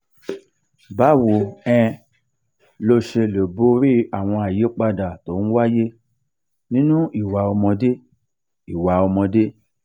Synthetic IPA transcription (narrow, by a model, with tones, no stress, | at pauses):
ba˦˨wo˨ɛ̃˧ | lo˧ʃe˧le˨bo˦ɾi˦a˨w̃ɔ̃˧a˨je˨˦k͡pa˧da˨to˨˦ñ̩˦wa˦je˦ | nĩ˦nũ˦i˨wa˨ɔ˧mɔ̃˧de˦ | i˨wa˨ɔ˧mɔ̃˧de˦